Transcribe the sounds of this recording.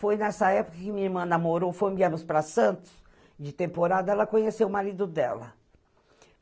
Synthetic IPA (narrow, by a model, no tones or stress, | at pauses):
fojnɛsɐɛpʊ̥kɐkɪmĩɐiɾmɐ̃namoɾofoj̃biamʊspɾɐsɐ̃nt̪ʊ̥s | d͡ʒɪt̪ẽmpoɾad̪ɐɛlɐkõɲesewʊmaɾid̪ʊd̪ɛlɐ̰